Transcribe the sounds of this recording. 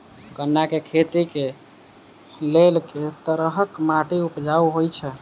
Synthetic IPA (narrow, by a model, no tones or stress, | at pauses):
ɡənːakekʰet̪ike | lelket̪əɾəɦəkmaʈiupd͡ʒauɦojt͡ʃʰɛ